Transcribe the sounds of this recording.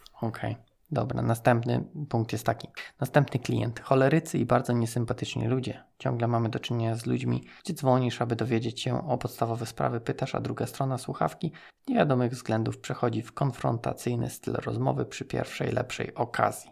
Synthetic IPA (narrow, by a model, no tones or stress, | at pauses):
ɔkʰɛj | d̪ɔbɾa̰nast̪ɛmpnɘ̰puŋk̚t̪jɛst̪ːakʲi̥nast̪ɛmpnɘklʲḭjɛ̰nt̪xɔlɛɾɘt̪sɘibaɾd̪zɔɲɛsɘmpat̪ɘt͡ʂɲḭlud͡ʑɛt͡ɕɔ̰̃ŋɡlɛmamɘd̪ɔt͡ʂɘɲeɲazlud͡ʑmʲḭɡ̥d͡ʑɛd̪zvɔɲiʂabɘd̪ɔvʲjed͡ʑet͡ɕɕɛ̰ɔpɔt̪st̪avɔvɛspɾa̰vɘpɘt̪aʂa̰d̪ɾuɡast̪ɾɔnaswuxa̰fkʲi | z̥ɲevʲjad̪ɔmɘɣvzɡlɛnd̪ufpʂɛxɔd͡ʑifkɔnfɾɔ̰nt̪a̰t̪sɘjnɘ̰st̪ɘ̰lɾɔzmɔ̰vɘpʂɘpʲjɛ̰ɾfʂɛ̰jlɛ̰pʂɛ̰jɔkʰa̰zʲji